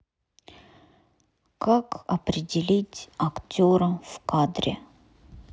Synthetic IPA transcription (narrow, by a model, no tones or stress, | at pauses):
kakɐpɾʲɪdʲɪlʲitʲɐktʲoɾəfkad̪ɾʲɪ